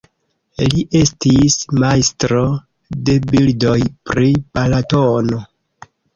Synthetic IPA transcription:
liʔe̞stismajstɾo̞ | de̞bildo̞jpɾipalatono̞

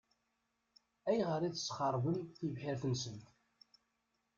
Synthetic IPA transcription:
æjʁəɾˤiθə̥sχɑɾˤwənθivħɪɾθənsənt̪

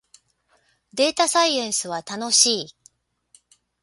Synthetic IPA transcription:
d̪e̞ːt̪asaiẽ̞ɰ̃sɨβ̞at̪ano̞ɕiː

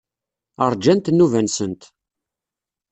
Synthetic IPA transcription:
əɾˤd͡ʒænt̪nːuvænsənt̪

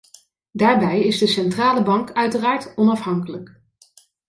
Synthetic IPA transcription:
daːɹbɛjɪzdəsɛntraːləbɑŋkœɥtəraːɹtɔnɑfɦɑŋkələk

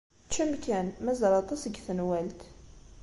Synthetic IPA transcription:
t͡ʃːəmkænmæzɾˤɑt̪ˤɑsəɡθənwælt̪

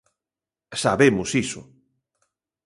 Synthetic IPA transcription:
saβemʊsisʊ̰

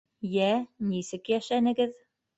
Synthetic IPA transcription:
jænisɘkjæʃænɘ̆ɡɘð

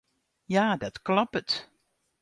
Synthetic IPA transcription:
jadatklɑpət

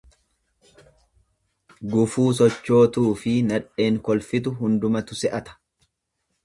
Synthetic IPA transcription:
ɡʊfuːs̬ɔt͡ʃːo̞ːt̪uːfɪnɐᶑe̞ːŋkɔlfɪt̪̬ʊɦʊnd̪ʊmɐt̪ʊsɛʔɐt̪ɐ̥

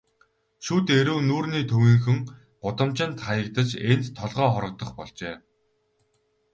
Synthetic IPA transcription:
ʃut̪eɾuːnuːrniːt̪ʰɵwiːŋxɵ̆ŋ | ɢ̥ʊt̪ə̆mt͡ɕɪ̆nt̪χajə̆kt̪ə̆t͡ɕent̪ʰːɔɮʁœːχɔɾɞ̆k̚t̪ɞ̆χpɔɮt͡ɕeː

